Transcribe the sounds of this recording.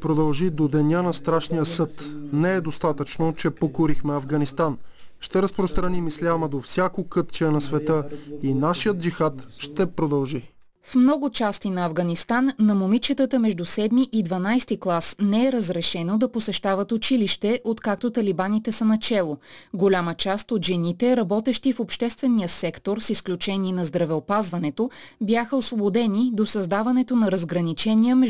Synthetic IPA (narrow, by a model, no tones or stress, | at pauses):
pɾod̪ɐlˠʒid̪od̪ɛnʲanɐst̪ɾaʃnijəsɤt̪nɛɛd̪ost̪at̪ət͡ʃnot͡ʃɛpokʊɾixmɛɐvɡɐnist̪anʃt̪ɛɾəspɾost̪ɾɐnimislʲaməd̪ofsʲjakokɤt̪t͡ʃɛnɐsvɛt̪əinaʃijət̪̚d͡ʒixat̪ʃt̪ɛpɾod̪ɐlˠʒi | fmnɔɡʊt͡ʃast̪inɐɐvɡɐnist̪anːɐmomit͡ʃət̪ət̪əmɛʒd̪usɛd̪miʔid̪vɐnajst̪iklˠasnɛɛɾəzɾɛʃɛnod̪ɐposɛʃt̪avət̪ʊt͡ʃiliʃt̪ɛʔot̪kak̚t̪ot̪ɐlibanit̪ɛsənɐt͡ʃɛlˠoɡolʲamət͡ʃast̪ot̪ʒɛnit̪ɛɾɐbɔt̪ɛʃt̪ifopʃt̪ɛst̪vɛnijəsɛkt̪oɾsisklʲut͡ʃɛniːnɐzd̪ɾɐvɛopazvɐnɛt̪objaxəosvobod̪ɛnid̪osɐzd̪avɐnɛt̪onɐɾəzɡɾɐnit͡ʃɛniəmɛʒ